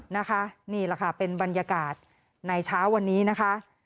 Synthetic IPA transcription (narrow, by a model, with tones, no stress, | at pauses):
na˦˥kʰa˦˥ʔniː˥˩la˨˩kʰa˥˩pe˧nba˧njaː˧kaː˨˩t̪̚ | na˧jt͡ɕʰaː˦˥wːa˧nːiː˦˥na˦˥kʰa˦˥ʔ